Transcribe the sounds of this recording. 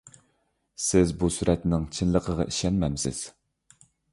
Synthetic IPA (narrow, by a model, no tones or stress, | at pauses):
sɪzbusyɾɛt̪nɪŋt͡ʃʰinlˠəqʰəʁɑ̰ʔiʃɛnmɛmsɪ̰z̥